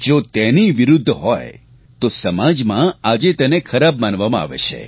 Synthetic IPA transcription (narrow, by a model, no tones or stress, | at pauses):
d͡ʒot̪eniʋiɾʊd̪ʱːɦɔj | t̪osəmad͡ʒmãad͡ʒet̪ənekʰəɾabmanʋamãa̰ʋḛt͡ʃʰḛ